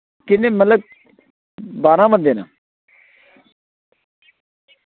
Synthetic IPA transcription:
kɪnːeːmələɡ̚ | baːnãːmənd̪eːna̰ː

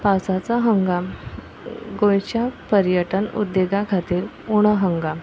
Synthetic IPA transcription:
pasat͡saɦəŋɡa | ɡojt͡ɕjapəɾjəʈənṵd̪ːeɡakʰat̪iːɾ | uɽ̃əɦəŋɡa

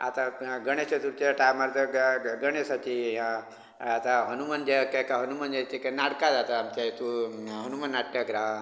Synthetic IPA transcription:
a̰t̪aɡəɽ̃eset̪uɾt͡ɕeʈajmaɾt̪əɡəɽ̃esat͡ʃijãː | t̪aɦənumand͡ʒekakaɦənumand͡ʒat͡ʃekanaɽkad͡zat̪aːmt͡ʃat̪uɦənumanːaʈːaɡɾa

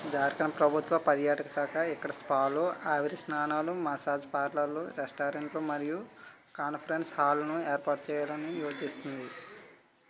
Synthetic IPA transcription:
d͡ʒaːɾkɐnɐpɾɐbʱut̪ʋɐpɐɾjaːʈɐkɐsaːkɐikːɐɽɐspaːloːʔaːʋiɾisnaːnaːlumɐsaːd͡ʒpaːɾlɐlːoːɾesʈaːɾeɳʈloːmɐɾiju | kaːnpʰɐɾenshaːlɐnueːɾpaːʈ̚t͡ʃɛːjaːlɐnijoːt͡ʃist̪und̪i

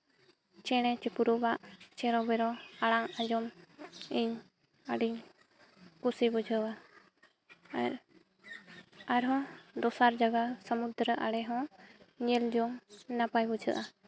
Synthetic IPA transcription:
t͡ʃɛɽ̃ɛt͡ʃɛpuɾɔbaʔt͡ʃɛɾɔbɛɾɔaɽaŋad͡ʒɔmiɲ | əɖiɲ | kusibɔd͡ʒəwa | aɾ | aɾɦɔ̃d̪ɔsaɾd͡ʒaɡasəmud̪ɾəʔaɽɛɦɔ̃ɲɛld͡ʒɔŋnapajbɔd͡ʒəʔa

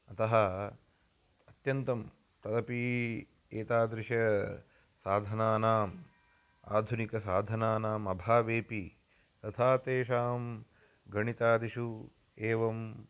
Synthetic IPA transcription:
ɐt̪ɐɦɐ | ɐt̪jɐnt̪ɐm | t̪ɐd̪ɐpi | eːt̪aːd̪ɾɪʂjɐ | saːd̪ʱɐnaːnaːm | a̰ːd̪ʱunikɐsaːd̪ʱɐnaːnaːmɐbʱaːʋeːpi | t̪ɐt̪ʰaːt̪eːʃaːm | ɡɐɳit̪aːd̪iʃu | eːʋɐm

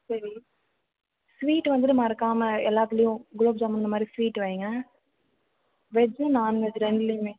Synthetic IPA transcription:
sɐɾi | sʋiːʈːʋɐnd̪ɯt̪ːɯmaːɪɾɐkːaːmɐɛlːaːt̪ɪlɐjʊ̃ɡloːb̚d͡ʒaːmɐnɯnd̪ɐmaːd̪ɾisʋiːʈːʋɐːŋɡɐ | ʋɛd͡ʒɯnaːnʋɛd͡ʒɯɾɛɳɖɪlɐjʊ̃meː

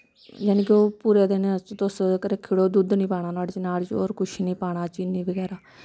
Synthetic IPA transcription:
jaːniːkoːpuːɾeːd̪eːnet͡ʃt̪ʊskɾəkʰːiːɽoːd̪ud̪nĩːpaːɽ̃aːnaːɽt͡ʃnaːlt͡ʃo̰ːɾkʊʃʰnĩːpaːɽ̃aːt͡ʃiːniːbəɡɛːɾaː

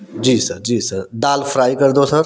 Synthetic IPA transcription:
d͡ʒiːsəɾd͡ʒiːsəɾd̪aːlpʰɾaːikəɾd̪osəɾ

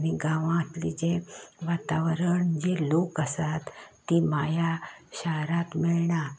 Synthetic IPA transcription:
ñiɡãʋãːt̪lid͡ʑẽʋat̪aʋɾəɳd͡ʑelokəsat̪ː | imajaɕaɦɾat̪meɭɳa

